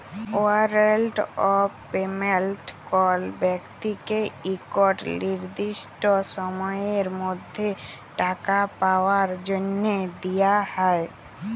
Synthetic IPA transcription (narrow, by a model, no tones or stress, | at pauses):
oəɾelʈɔɾ | pemelʈkɔlbjəkt̪ikeikɔʈlɪɾd̪ɪʃʈɔsəmɔjeɾmʊd̪ʱje | ʈakapawəɾd͡ʒənjed̪ijahɛe